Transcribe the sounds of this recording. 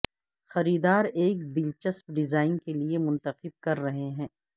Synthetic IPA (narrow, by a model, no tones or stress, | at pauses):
xɐɾiːd̪aːɾeːkbɪlt͡ʃəspɖɪzaːɪnkeliemʊ̃nt̪əqɪb̚kɐɾːɐɦeɦɛ̃ː